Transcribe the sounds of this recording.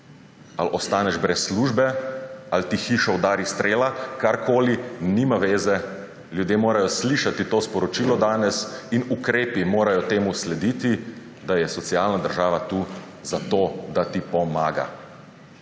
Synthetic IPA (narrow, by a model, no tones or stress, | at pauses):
a̰lɔst̪aːnɛʒbɾɛsːluʒbɛalt̪ixiʃɔwd̪aːɾist̪ɾeːlakaɾkʰoːlinimaʋeːzɛ | ljud̪jemoːɾajɔsliʃat̪it̪oːspɔɾɔt͡ʃiːlɔd̪aːnɛsinukɾeːpimoːɾajɔt̪eːmuslɛd̪iːt̪i | d̪ajɛsɔt̪sialnad̪əɾʒaːʋat̪u | zat̪oːd̪at̪ipɔmaːɡa̰